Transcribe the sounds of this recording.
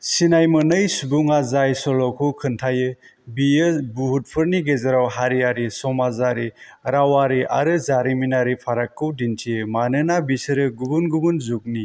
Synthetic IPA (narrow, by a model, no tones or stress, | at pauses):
sinajmɯnɯjsubuŋazajsɔlɔkʰukʰɯntʰajɯ | bijɯbuhut̚pʰɯɾniɡezaɾawɦaɾijaɾisɔmazaɾiɾawaɾiʔa̰ɾɯzaɾiminaɾipʰaɾakːɯwdintʰijɯmanɯnabisɯɾɯɡubunɡubunzuk̚ni